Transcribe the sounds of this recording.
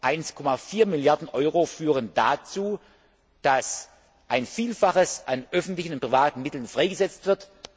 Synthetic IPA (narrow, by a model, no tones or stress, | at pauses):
ʔaɪnskʰɔmafiːɐmɪljaɐdn̩ʔɔʏʁofyːʁ̞əndat͡suː | d̥as | ʔaɪnfiːlfaχəsʔanʔœfn̩tlɪçn̩ʊntpʁ̥ivaːtn̩mɪtl̩nfʁ̥aɪɡəzɛt͡stv̥ɪɐt